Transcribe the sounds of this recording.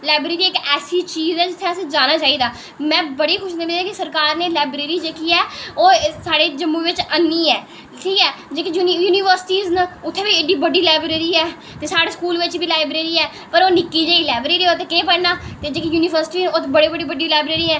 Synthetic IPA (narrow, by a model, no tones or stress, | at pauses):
laːɪbɾeːɾiːɪkɛːsiːt͡ʃiːzɛːd͡ʒɪt̪ʰːeəsĩːd͡ʒaːnaːt͡ʃaːiːd̪aː | mɛ̃ːbəɽiːxʊʃnebed̪aːkɪsəɾkaːɾneːlaːbɾeːɾiːd͡ʒeːkiːɛːoːsaːɽeːd͡ʒəmːũʋɪt͡ʃənːiːɛː | ʈʰiːkɛːd͡ʒeːkijujuːniːʋəɾsɪ̥ʈiːznəʊt̪ʰːeːbiːeɖiːbəɖiːlaːɪbɾeːɾiːɛː | t̪eːsaːɽeːskuːlʋɪt͡ʃbʱiːlaːɪbɾeːɾiːɛː | pəɾoːnɪkːiːd͡ʒaːiːlaːbɾeːɾiːoːt̪ekeːpəɽnaːt̪eːd͡ʒeːkijuːniːʋəɾsʈiːnoːt̪ːbəɽeːbəɖiːbəɖiːlaːbɾeːɾiːɛː